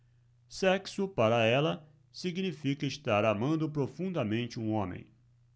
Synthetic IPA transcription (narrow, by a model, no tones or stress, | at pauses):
sɛksʊpaɾɐɛlɐ | siɡnifikɐɪst̪aɾamɐ̃nd̪ʊpɾofũnd̪ɐmẽnt͡ʃɪũõmḛ̃j̃